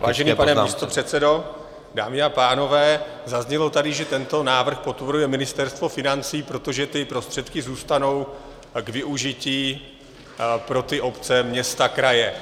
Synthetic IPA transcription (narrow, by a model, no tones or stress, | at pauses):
vaːʒɛnipanɛmist̪opr̝̥ɛt̪t͡sɛdo̞ | daːmɪapaːno̞vɛː | zazɲɛlo̞t̪adɪʒɛt̪ɛnt̪o̞naːvr̩xpo̞t̪voɾujɛmɪnɪst̪ɛɾst̪vo̞fɪnant͡siːpɾo̞t̪o̞ʒɛt̪ɪpɾo̞st̪r̥ɛt̪kɪzuːst̪ano̞w | ɡvɪʔuʒɪciː | pɾo̞t̪ɪʔo̞pt͡sɛmɲɛst̪akɾajɛ